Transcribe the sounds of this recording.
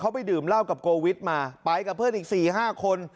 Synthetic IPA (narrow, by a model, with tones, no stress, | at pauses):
kʰa˦˥wp̬a˧jdɯː˨˩mla˥˩wka˨˩p̚koː˧wi˦˥t̪̚maː˧pa˧jka˨˩pʰɯː˥˩niː˨˩k̚siː˨˩ɦaː˥˩kʰo˧n